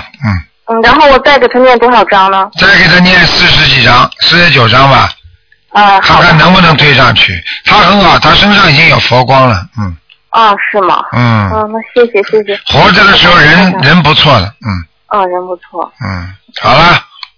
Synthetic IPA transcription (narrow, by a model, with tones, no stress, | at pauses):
n̩˥˩ | n̩˥˩ɻa˧˥nxo˥˩ʊwɔ˨˩t͡sa˥˩ɪk̬e˨˩ɪt̪ʰə˥nmjɛ˥˩nt̪wɔ˥xɑ˨˩ʊʈ͡ʂɑ˥ŋnə˧t͡sa˥˩ɪke˨˩ɪt̪ʰa˥njɛ˥˧nɻ̩˥˧sɹ̩˥˩˧ʂɻ̩˧˥t͡ɕi˨˩ʈ͡ʂɑ˥ŋsɹ̩˥˧ʂɻ̩˧˥t͡ɕjo˨˩ʊʈ͡ʂɑ˥ŋbɐ˨ | a˥˧˩kʰa˥˧˦kʰa˥˩nnɤ˧˥ŋpu˥˩nɤ˧˥ŋt̪ʰwe˥˧ɪʂɑ˥˧ŋt͡ɕʰy̰˥˩t̪ʰa˥xə˧˥nxɑ˨˩ʊt̪ʰa˥ʂə˥nŋʂɑ˥˩ŋi˨˩t͡ɕi˥ŋjo˨˩ʊfwɔ˧˥kwɑ˥ŋlə˨n̩˥˩ | ə˥˧ʂɻ̩˥˩mɐ̰˩n̩˥˩˥na˥˧˩ɕjɛ˥˩ɕjɛ˩ɕjɛ˥˩ɕjɛ˨xwɔ˧˥ʈ͡ʂə˨˩d̪ə˩ʂɻ̩˧˥xo˥˧ʊɻə˧˥nɻə˧˥np̬u˧˥t͡sʰwɔ˥˩lə̰˩n̩˥˩ | ə˥˧ɻə˧˥npu˧˥t͡sʰwɔ˥˩n̩˥˩ | xɑ˨˩ʊlə˦